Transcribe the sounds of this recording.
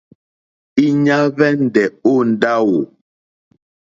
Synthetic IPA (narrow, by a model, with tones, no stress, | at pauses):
i˦ɲa˦vɛ˦n̩˨˦dɛ˨o˦n̩˨da˦wo˨